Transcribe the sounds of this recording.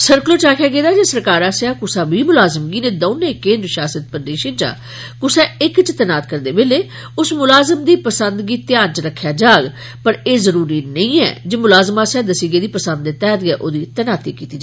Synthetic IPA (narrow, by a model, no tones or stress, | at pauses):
səɾkloːt͡ʃaːkʰjaːɡeːd̪aːd͡ʒeːsəɾkaːɾaːsjaːkʊsaːbiːmʊlaːzəmɡiːnẽːd̪oːnekẽːnd̪ɾʃaːsət̪̚pəɾd̪eːʃənt͡ʃã̰ː | kʊsaːɪkt͡ʃt̪ɛnaːt̪kəɾd̪eːbeːleː | ʊsmʊlaːzəmd̪iːpəsənd̪ɡiːt̪ɪjãːnt͡ʃəɾəkʰːjaːd͡ʒaːɡ | pəɾeːzəɾuːɾiːnəĩːɛ̰ːd͡ʒeːmʊlaːzəmaːsaːd̪əsiːɡeːd̪iːpəsə̃nd̪eːt̪ɛːt̪ɡɛːʔoːd̪iːt̪ɛnaːt̪iːkiːt̪iːd͡ʒa